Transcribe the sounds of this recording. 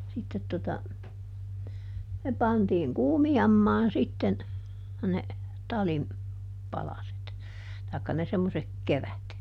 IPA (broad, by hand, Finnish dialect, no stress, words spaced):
sitːet totɑ ne pɑntiːŋ kuːmijɑmːɑːn sitːen ne tɑlim pɑlɑset tɑˑi̯kːɑ ne semːosek keræt